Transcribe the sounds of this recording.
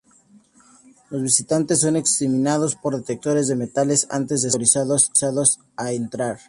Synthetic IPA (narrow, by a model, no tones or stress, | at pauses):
lo̞zβisit̪ant̪es̬ːo̞neksimĩnað̞o̞spo̞ɾðet̪ek̚t̪o̞ɾe̞zðe̞me̞t̪ale̞sa̰nt̪e̞zðeoɾisaðossaðos | aent̪ɾaɾ